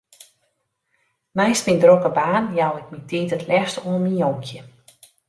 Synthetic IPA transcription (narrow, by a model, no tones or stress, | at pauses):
nɛjstmindrokəbaːnjawɪk̚mitiːtətlɛstɔminjoŋkʰjə